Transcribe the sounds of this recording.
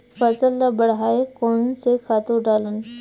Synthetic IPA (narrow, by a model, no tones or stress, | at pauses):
fɐsəlːabəɽɦaːekoːnsexaːt̪õɖaːlən